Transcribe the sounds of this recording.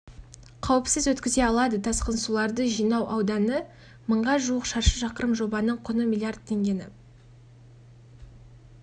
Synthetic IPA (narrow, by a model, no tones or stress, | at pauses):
qʰɑwɪpsɪzwɵt̪kʲɪze̞ɑlˠɑd̪əd̪ɑsqənsulˠɑɾd̪əʒijnɑwʔɑwd̪ɑnə | məɴʁɑʒuəqʃɑɾʃəʒɑqəɾəmʒo̞bɑnəɴqʰʊnəmʲilʲˠijard̪̚t̪ʰe̞ŋɡʲe̞nɪ̰